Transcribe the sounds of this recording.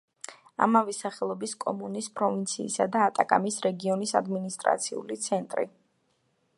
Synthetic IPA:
a̰mavɛsaχɛlˠɔbiskʼɔmunispʼɾɔvint̪sʰiːsa̰d̪aːt̪ʼakʼa̰misɾɛɡiɔnisa̰d̪minist̪ʼɾa̰t̪sʰiṵlit̪sʰɛnt̪ʼɾḭ

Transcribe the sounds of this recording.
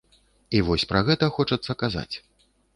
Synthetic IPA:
ivɔsʲpɾɐɣɛt̪ɐxɔt͡ʂɐt̪sːɐkaza̰t͡sʲ

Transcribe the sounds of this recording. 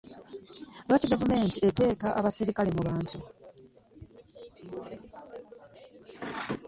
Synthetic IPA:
βaːtiɡavume̞ːntiete̞ːkaʔaβasiɾikalemuβaːntu

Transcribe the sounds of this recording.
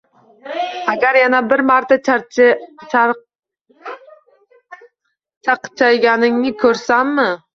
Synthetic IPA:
aɡʲaɾjanabɪɾmaɾt̪ʰa | t͡ʃʰaqɨ̥t͡ʃʰajɡʲanɪŋnɪkʰɵɾsamːɪ

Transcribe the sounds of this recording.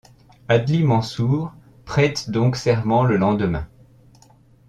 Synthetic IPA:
ad̪limɑ̃suʁ | pχɛt̪d̪ɔ̃ksɛʁmɑ̃ləlɑ̃d̪əmɛ̰̃

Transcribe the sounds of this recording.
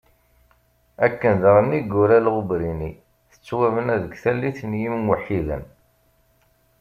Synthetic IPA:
ækːənðəʁənːiɡːʊɾælʁʊbɾini | θə̥t͡sːwævənæðəɡθælːiθnjimmwəħːiðə̰n

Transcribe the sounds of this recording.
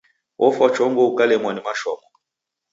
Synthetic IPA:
wʔɔfat͡ʃɔŋɡɔukalɛmwanimaʃɔmɔ

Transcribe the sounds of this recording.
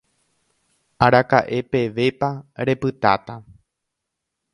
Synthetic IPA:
aɾakaʔe̞pe̞ʋe̞paɾe̞pɨt̪a̰t̪a

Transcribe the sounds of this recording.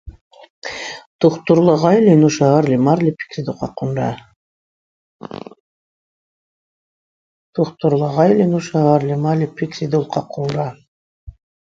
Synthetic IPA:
t̪uχt̪uɾlˠɑʁɑjlʲinuʃɑɣɑɾlʲimɑɾlʲipʲi̥ksʲid̪uqɑqund̪ɑ̰ | t̪ʰuχt̪uɾlˠɑʁɑjlʲinuʃɑɣɑɾlʲimalʲipikɾid̪ulˠqʰɑqund̪ɑ

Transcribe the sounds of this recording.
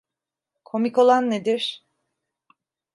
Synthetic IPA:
kʰo̞mikolˠanːed̪iɾ̥

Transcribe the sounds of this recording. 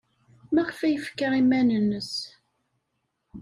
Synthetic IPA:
mæʁfæjəfə̥kːəɾimænənːəs

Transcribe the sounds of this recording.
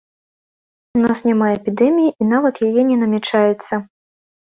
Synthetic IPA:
unasnʲamaɛpʲid̪ɛmʲijiʔin̪avɐt̪jajɛnʲɛnɐmʲɛt͡ʂajɛt̪sːɐ

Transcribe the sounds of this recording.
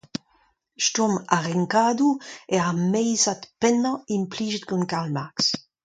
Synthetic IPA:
ʃt̪ɔmaʁɛŋkaːd̪ueamɛjzat̪pɛnaimpliːʒit̪̚ɡunkalmaks

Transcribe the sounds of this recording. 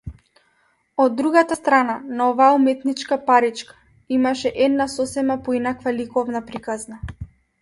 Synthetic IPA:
ɔd̪ːɾuɡat̪ast̪ɾananaɔvaːumɛt̪nit͡ʃkapaɾit͡ʃkḁ | imaʃɛʔɛd̪nasɔsɛmapɔinakvalikɔvnapɾikazna

